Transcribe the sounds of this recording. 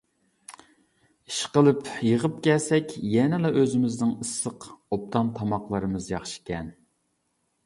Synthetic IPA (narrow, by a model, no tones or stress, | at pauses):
iʃqəlˠɨpjəʁəp̚kʲɛlsɛkʲjɛnɪlˠɛʔøzɪmɪznɪŋɨsːəqop̚t̪ʰɑmt̪ʰɑmɑqlˠɨɾɨmɨzjɑχʃi̥kʲɛn